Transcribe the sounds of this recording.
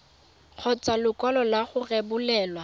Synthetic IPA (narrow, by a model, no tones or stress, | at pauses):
k͡xʰɔt͡sʼalʊkʼɔlɔlaχʊrebʊlɛːlwa